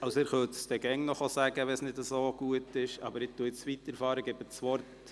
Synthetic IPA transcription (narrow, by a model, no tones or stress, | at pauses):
ɑwsɛːɾχœtd̥ɛɡɛŋnɔχosæɡ̥əʋɛsnɪdəsoːɡ̥uətɪʃɑ̰bəɾɪt̪ːuəɪt͡sʋitːəɾfɑːɾəɡɛbəsʋɔɾt